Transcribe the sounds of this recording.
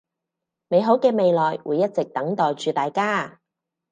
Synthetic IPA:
me˨˧jɦo˨˥wkɛː˧me˨˧jlɔː˨jwʔuː˨˧jːɐ˥t̚t͡sɪ˨k̚t̪ɐ˨˥ŋt̪ɔː˨jt͡ʃyː˨t̪aː˨jkaː˥

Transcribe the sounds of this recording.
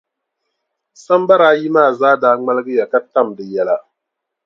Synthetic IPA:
sa˦mba˦ɾaː˦ji˦maː˦˨zaː˦daː˨˦ŋ͡ma˦lɨ˦ɡɨ˦ja˨ka˦ta˦˨mdɨ˨jɛ˦la˦

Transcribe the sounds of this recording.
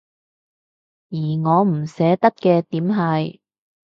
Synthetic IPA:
jiː˨˩ŋɔː˨˧m̩˨˩sɛː˨˥t̪ɐ˥t̚kɛː˧t̪iː˨˥mɦɐ˨j

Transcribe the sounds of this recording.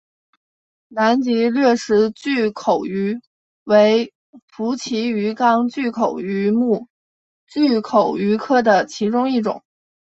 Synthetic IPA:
na˧˥nt͡ɕi˧˥lɥɛ˥˩ʂɻ̩˧˥t͡ɕy˥˩kʰo˨˩ʊy˧˥ | we˧˥ɪ | fu˧˥t͡ɕʰi˧˥y˧˥kɑ˥ŋt͡ɕy˥˩kʰo˨˩ʊy˧˥mu˥˩ | t͡ɕy˥˩kʰo˨˩ʊy˧˥kʰɤ˥˩d̪ə˩t͡ɕʰi˧˥ʈ͡ʂʊ˥ŋi˥˩ʈ͡ʂʊ̰˨˩˦ŋ

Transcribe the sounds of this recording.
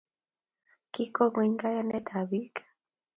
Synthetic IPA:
ki˦ko˦ŋwi˦ŋɡa˦ja˦nɛ˦t̪ʰa˨βi˦kḁ˨

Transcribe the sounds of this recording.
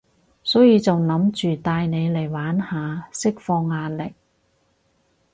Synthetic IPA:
sɔː˨˥jiː˨˧t͡sɐ˨wnɐ˨˥mt͡ʃyː˨t̪aː˧jne˨˧jle˨˩jwaː˨˥nhaː˨˧sɪ˥k̚fɔː˧ŋːaː˧nlɪ˨k̚

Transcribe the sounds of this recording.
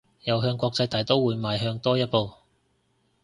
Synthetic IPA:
jɐ˨wɦœː˧ŋkʷɔː˧k̚t͡sɐ˧jt̪ɐː˨jt̪o˥wuː˨˧jmaː˨jɦœː˧ŋt̪ɔː˥jɐ˥t̚po˨w

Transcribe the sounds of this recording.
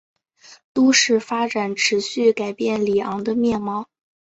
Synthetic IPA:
t̪u˥ʂɻ̩˥˩fa˥ʈ͡ʂa˨˩˦nʈ͡ʂʰɻ̩˧˥ɕy˥˩ka˨˩ɪpjɛ˥˩nli˨˩ɑ˧˥ŋd̪ə˧mjɛ˥˩nmɑ˥˩ʊ

